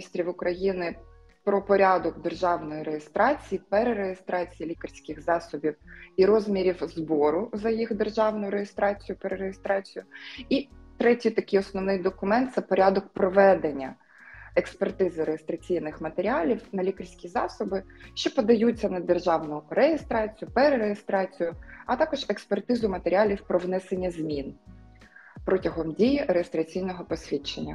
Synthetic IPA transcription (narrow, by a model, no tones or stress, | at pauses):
ist̪ɾʲiʋʊkɾɐjinɪ | pɾɔpɔɾʲɑd̪ɔɡd̪erʒɑwnɔjiɾejest̪ɾɑt͡sʲijipɛɾeɾejest̪ɾɑt͡sʲijilʲikɐrʲsʲkɪɣzɑsɔbʲiwiɾɔzmʲiɾʲiwzbɔɾʊzɐjixd̪erʒɑwnʊjɾejest̪ɾɑt͡sʲijʊpeɾeɾejest̪ɾɑt͡sʲijʊit̪ɾɛtʲijt̪ɐkɪjɔsnɔʋnɪjd̪ɔkʊmɛnt̪̚sɛpɔɾʲad̪ɔk̚pɾɔʋɛd̪enʲːɐ̰ | ekspert̪ɪzɪɾejest̪ɾɐt͡sʲijnɪxmɐt̪eɾʲiɑlʲiwnɐlʲikɐrʲsʲkʲizɑ̰sɔbɪʃt͡ʃɔpɔd̪ɐjut͡sʲːɐnɐd̪erʒɑwnʊrejest̪ɾɑt͡sʲijʊpɛɾeɾejest̪ɾɑt͡sʲijʊɐt̪ɑkɔʒekspert̪ɪzʊmɐt̪eɾʲɪɑlʲiwpɾɔʋnɛsenʲːɐzʲmʲin | pɾɔtʲɐɦɔmdʲijiɾejest̪ɾɐt͡sʲijnɔɦɔpɔsʲʋʲit͡ʃːḛnʲːɐ